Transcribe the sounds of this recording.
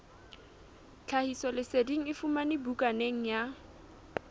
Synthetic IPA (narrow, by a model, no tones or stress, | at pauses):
t͡ɬʰahisɔlɪsediŋ̩ɪfumanɪbukʼaneŋ̩ja